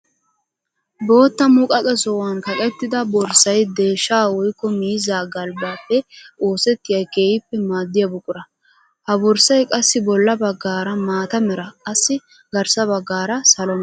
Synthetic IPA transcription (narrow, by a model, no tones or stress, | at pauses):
bo̞ːt̪ːɐmʊkʼɐkʼɛsɔwɐnkɐkʼɛt̪ːɪd̪ɐbɔɾsɐjd̪e̞ːʃːaːwɔjkːɔmiːzaːɡɐlbaːpːɛo̞ːsɛt̪ːɪjɐjke̞ːjɪpːɛmaːd̪ːɪjɐbʊkʼːʊɾɐ | hɐbɔɾsɐjkʼɐsːɪbɔlːɐbɐɡːaːɾɐmaːt̪ɐmɛɾɐkʼɐsːɪ | ɡɐɾsɐbɐɡːaːɾɐsɐlɔm